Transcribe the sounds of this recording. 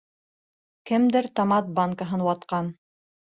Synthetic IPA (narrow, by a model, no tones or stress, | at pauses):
kɘ̆md̪ɘɾt̪ɑmɑt̪̚baŋkaɦɤnwɑt̪qɑn